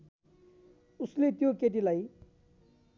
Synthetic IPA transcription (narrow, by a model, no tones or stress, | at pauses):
uslet̪jokeʈ̬ilaj